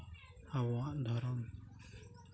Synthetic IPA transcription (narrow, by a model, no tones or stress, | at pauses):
hawaʔd̪ʱɔɾɔm